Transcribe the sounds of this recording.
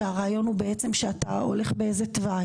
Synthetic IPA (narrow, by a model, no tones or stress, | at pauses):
aʁaːjo̞nhube̞et͡semʃeata̰o̞̰le̞χbeejzetva